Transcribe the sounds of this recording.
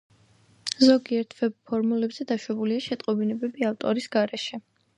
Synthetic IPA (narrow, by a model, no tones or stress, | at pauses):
zɔɡiɛɾt̪ʰvɛb̚pʰːɔɾmulɛbz̥ɛd̪aʃwɛbuliaʃɛt̪ʼqʼɔbinɛbɛbiaft̪ʼɔɾisɡaɾɛʃɛ